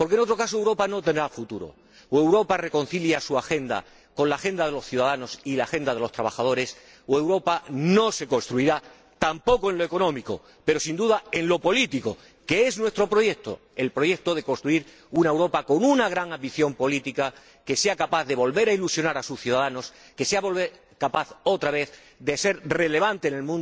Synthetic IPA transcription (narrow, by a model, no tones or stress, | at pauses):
po̞ɾke̞no̞t̪ɾo̞kasoewɾo̞pano̞t̪end̪ɾafut̪uɾo̰ | we̞wɾo̞pare̞ko̞nθiljasuaxe̞nd̪a̰ | ko̞nlaːxe̞nd̪aðe̞lo̞sθjuðaðano̞silaːxe̞nd̪aðe̞lo̞st̪ɾaβ̞axað̞o̞ɾes | oe̞wɾo̞pano̞se̞ko̞nst̪ɾuiɾa | t̪ampo̞koe̞nlo̞e̞ko̞nõ̞miko̞̰ | pe̞ɾo̞sind̪uðae̞nlo̞po̞lit̪iko̞ | ke̞eznwe̞st̪ɾo̞pɾo̞je̞k̚t̪o̞̰ | e̞lpɾo̞je̞k̚t̪o̞ðe̞ko̞nst̪ɾuiɾ | unaewɾo̞pako̞nunaɣ̞ɾaŋãmbiθjo̞mpo̞lit̪ika | ke̞se̞akapaθðe̞βo̞lβe̞ɾailusjo̞naɾasusθjuðaðano̞s | ke̞seaβoβe | kapaθo̞t̪ɾaβe̞θ | d̪ese̞ɾre̞le̞β̞ant̪e̞ːne̞lmũn